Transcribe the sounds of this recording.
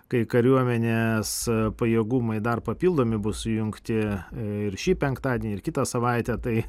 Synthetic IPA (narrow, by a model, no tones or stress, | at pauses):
kɐɪkɐɾʲuɔmʲɛnʲeːspɐjiɛɡumɐɪd̪ɐrpɐpʲiːlˠd̪oːmʲɪbʊssʊjʊŋkt̪ʲɪɪɾʃʲiːpʲɛŋkt̪ɑːd̪ʲeːnʲɪɾkʲɪt̪ɐsɐʋɐɪt̪ʲɛt̪ɐɪ